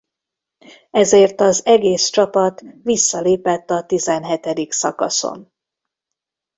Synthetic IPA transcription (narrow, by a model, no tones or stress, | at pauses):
ɛzeːrt̪ɒzɛɡeːst͡ʃɒpɒt̪ʋisːɒleːpɛt̪ːɒt̪izɛnɦɛt̪ɛd̪iksɒ̰kɒ̰so̰n